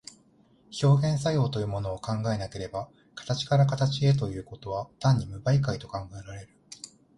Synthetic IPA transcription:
ço̞ːɡẽ̞ɰ̃s̬ajo̞ːt̪o̞jɯ̟ːmo̞no̞ːkãŋɡae̞nake̞ɾe̞ba | kḁt̪at͡ɕi̥kaɾakat̪at͡ɕie̞t̪̬o̞jɯ̟ːko̞t̪o̞βat̪ãɲ̟ːimɯ̟baikait̪o̞kãŋɡae̞ɾaɾe̞ɾɯ̟

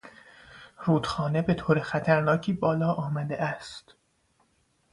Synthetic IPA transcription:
ɾuːd̪̥xɒːne̞be̞t̪ʰoːɾexæt̪ʰæɾnɒːcʰiːbɒːlɒːʔɒːmæd̪eʔæst̪

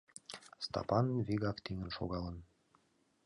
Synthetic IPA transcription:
st̪ɑ̰pɑnviɡɑkt̪iŋɘ̆nʃo̰ɣɑlˠɤn

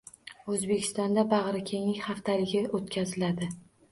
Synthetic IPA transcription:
ɵzbe̞kʲʰɪ̥st̪ɒnd̪abɑʁɾɪkʲʰe̞ŋɪhaft̪ʰalɪɡʲɪot̪kʲʰazɪlad̪ɪ

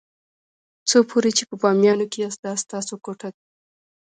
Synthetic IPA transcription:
t͡sopʰoɾet͡ʃepəbɑmjɑnokejast̪ɑst̪ɑsokoʈad̪̚

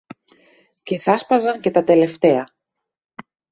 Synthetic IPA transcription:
ce̞θɐspɐzɐɲce̞t̪ɐt̪e̞le̞ft̪e̞ɐ

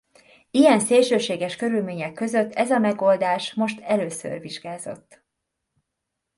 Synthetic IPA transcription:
ijɛnseːlʃøːʃeːɡɛʃkø̞ɾylmeːɲɛkːø̞zøt̪ːɛzɒmɛɡo̞ld̪aːʃmo̞ʃt̪ʰɛløːsø̰rviʒɡaːzo̞̰t̪ː

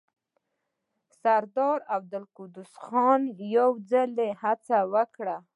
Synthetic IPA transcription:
saɾd̪ɑɾab̚d̪əlkud̪ʊsxɑnjawd͡zalehat͡sawəkɽa

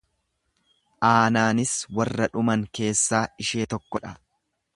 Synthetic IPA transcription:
ʔaːnaːnɪswɐrːɐᶑʊmɐŋke̞ːsːaːɪʃe̞ːt̪ɔkːɔᶑɐ

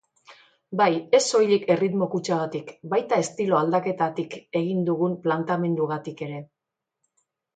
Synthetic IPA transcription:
baje̞so̞jʎike̞rit̪mo̞kut͡ʃaɣat̪ikbajt̪aest̪ilo̞ald̪ake̞t̪at̪ike̞ɣind̪uɣumplant̪ame̞nd̪uɣat̪ike̞ɾe̞

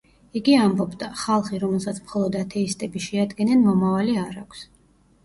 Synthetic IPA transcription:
iɡiambɔbd̪aχalˠχiɾɔmɛlˠsat̪sʰmχɔlˠɔd̪at̪ʰɛist̪ʼɛbiʃɛad̪ɡɛnɛnmɔmavaliaɾakʷʰs

